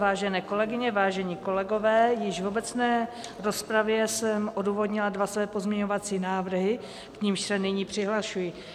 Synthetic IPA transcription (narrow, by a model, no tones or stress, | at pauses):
vaːʒɛnɛːko̞lɛɡɪɲɛvaːʒɛɲiːko̞lɛɡo̞vɛːjɪʒvobɛt͡snɛː | ɾo̞spɾavjɛsɛmʔo̞duːvo̞dɲɪladvasvɛːpo̞zmɲɛɲo̞vat͡siːnaːvr̩ɦɪ | kɲɪmʃsɛnɪɲiːpr̝̥ɪɦlaʃujɪ